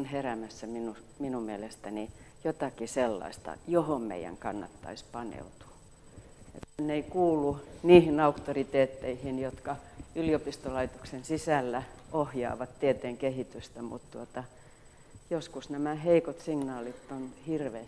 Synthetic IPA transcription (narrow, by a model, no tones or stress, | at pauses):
nheræmæsːæminu | minummielest̪æni | jot̪ɑkiselːɑ̰ist̪ɑ̰johommḛijˑæ̰ŋkɑnːɑ̰t̪ːɑ̰ispɑnḛut̪u̥ | ḛt̪nːeikuːlːˑuniːhinɑukt̪orit̪eːt̪ːeihinjot̪kɑyliopist̪olɑit̪oksensisælːæohjɑ̰ːʋɑt̪t̪iet̪eːŋkehit̪yst̪æmṵt̪t̪uot̪ɑ | joskusnæmæheikot̪siŋnɑːlit̪ːonhirʋe